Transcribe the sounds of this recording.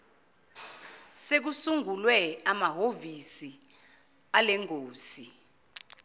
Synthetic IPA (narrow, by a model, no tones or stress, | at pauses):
sek̬usuŋulwɛamaɦovisi | alɛŋoːsi